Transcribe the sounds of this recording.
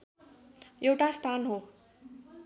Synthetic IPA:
jewʈast̪ʰanɦo

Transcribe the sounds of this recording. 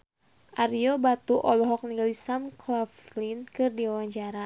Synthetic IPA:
ʔariɔbat̪uʔɔlɔɦɔk̚niɡalisamklaflinkɨrdiwawaɲt͡ʃaɾa

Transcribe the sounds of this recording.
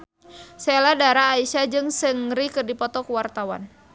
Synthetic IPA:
sɛladaɾaːisad͡ʒɨŋsəŋɾikɨrdipɔt̪ɔkuwart̪awa̰n

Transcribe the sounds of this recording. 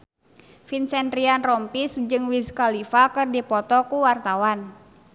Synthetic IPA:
finsɛnɾianrɔmpisd͡ʒɨŋwiskalifakɨrdipɔt̪ɔkuwart̪awan

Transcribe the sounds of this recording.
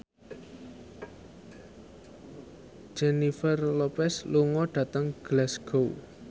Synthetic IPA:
d͡ʒenifərlopɛsluŋɔɖ̥ä̤t̪əŋɡ̥lɛsɡ̥ow

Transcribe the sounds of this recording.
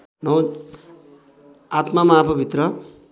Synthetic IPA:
nʌw | at̪mamapʰʌbʱit̪rʌ

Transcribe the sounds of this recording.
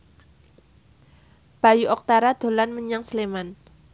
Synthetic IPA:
b̥a̤juʔɔk̚t̪aɾad̪̥o̤lanməɲaŋsleman

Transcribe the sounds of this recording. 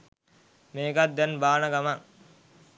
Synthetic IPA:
meːɡat̪̚d̪ɛnbaːnəɡamaŋ

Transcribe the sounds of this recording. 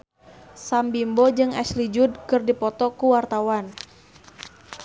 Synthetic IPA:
sambimbod͡ʒɨŋɛslid͡ʒud̚kɨrdipɔt̪ɔkuwart̪awan

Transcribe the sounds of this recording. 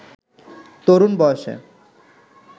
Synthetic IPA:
t̪oɾunbɔeʃḛ

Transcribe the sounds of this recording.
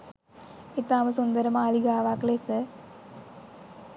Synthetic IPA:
ɪt̪ːaːmɐsʊnd̪ɐɾɐmaːliɣaːʋaːkleːsɐ

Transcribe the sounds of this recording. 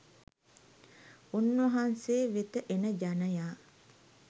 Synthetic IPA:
unːʋɐɦanseːʋet̪əʔenəd͡ʒanəjaː

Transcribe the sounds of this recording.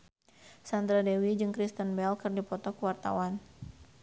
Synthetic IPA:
sand̪ɾadɛwid͡ʒɨŋkɾist̪ənbɛlkɨrdipɔt̪ɔkəwart̪a̰wan

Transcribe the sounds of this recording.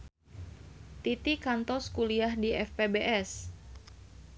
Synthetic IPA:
t̪it̪ikant̪ɔskuliahdiɛfpebeʔɛs

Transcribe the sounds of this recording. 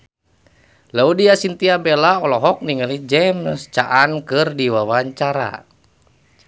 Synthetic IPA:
laudiasint̪iabɛlaɔlɔɦɔk̚niŋəlid͡ʒɛmst͡ʃaʔankɨrdiwawaɲt͡ʃaɾa̰

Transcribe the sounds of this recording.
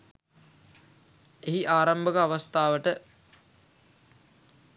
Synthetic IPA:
eɦiʔaːɾambəkəaʋast̪aːʋəʈə

